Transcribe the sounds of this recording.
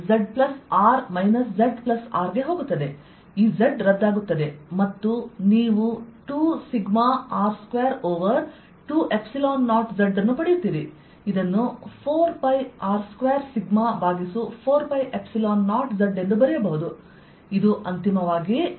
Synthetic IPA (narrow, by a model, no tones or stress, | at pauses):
d͡ʒeɖplɐsaːɾmɐjnɐsd͡ʒeɖplɐsa̰ːɾɡe̞ɦoːɡut̪ːɐd̪e̞ | iːd͡ʒeɖɾɐd̪ːaːɡut̪ːɐd̪e̞mɐt̪ːuniːʋuʈuːsiɡmaaːɾskʋeːɾoːʋɐɾ | ʈuːʔe̞psilaːnːaːʈd͡ʒeɖɐnːupɐɽijut̪ːiːɾi | id̪ɐnːupʰoːɾpɐjaːɾskʋeːɾsiɡmabʱaːɡisupʰoːɾpɐjʔe̞psilaːnːaːʈd͡ʒeɖe̞nd̪ubɐɾɛjɐbɐɦud̪u | id̪uʔɐnt̪imɐʋaːɡi